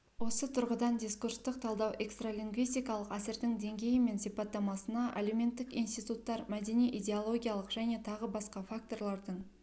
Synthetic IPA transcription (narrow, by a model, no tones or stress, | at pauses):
wo̞sət̪ʰʊɾʁəd̪ɑnd̪ʲiskuɾst̪əq̚t̪ʰɑlˠd̪ɑwʔe̞kst̪ralʲiŋɡvijst̪ijkɑlˠəqæsɪɾd̪ɪŋd̪e̞ŋɡʲe̞jɪme̞nsijpɑt̪ːɑmɑsənɑʔa̰leme̞nt̪ːɪkijnst̪ijt̪ut̪ːɑɾmæd̪e̞nijʔid̪ʲe̞olˠo̞ɡʲijalˠəqʒ̥æne̞t̪ʰɑʁəbɑsqɑfak̚t̪o̞rlˠɑɾd̪əɴ